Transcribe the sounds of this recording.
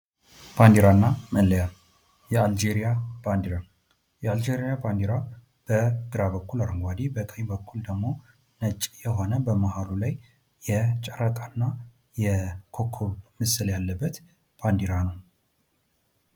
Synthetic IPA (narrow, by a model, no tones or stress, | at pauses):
b̥and̪iɾanːaməlːəjal | jɛald͡ʒeɾijab̥and̪iɾa | jɛald͡ʒeɾijaband̪iɾa | b̥əɡɨɾabəkːulaɾəŋɡʷad̪ibəkʼəjbəkʰːuld̪əɡmo̞ | nət͡ʃʼːjɛɦo̞nəbəmahalulaj | jɛt͡ʃʼəɾakʼanːa | jɛkʰokʰoβmɨsɨljalːəbːət̪ | b̥and̪iɾanəw